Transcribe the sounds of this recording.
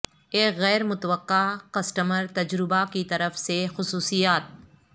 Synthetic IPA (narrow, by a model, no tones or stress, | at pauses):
eːkɣɛːɾmʊt̪wəqːakɐsʈəməɾt̪ɐd͡ʒɾɪbakit̪ɐɾəfsexʊsuːsijaːt̪̚